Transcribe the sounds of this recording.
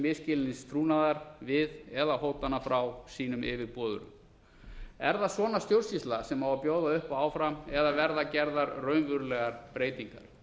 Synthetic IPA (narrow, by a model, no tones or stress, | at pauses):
vɪscɪlɪninst̪ʰɾuːnaðaɾvɪðɛðaɦoːwt̪anafɾawsiːnʏmɪːvɪpɔːðʏ̰ɾʏ̰m | ɛɾðasvɔːnast̪jowɾrsist̪lasɛmawvapjoːwðaʏhpaaːwfɾamɛðavɛɾðacɛɾðaɾrœɥnvʏɾlɛɣaɾ̥pɾeːjt̪iŋka̰ɾ̥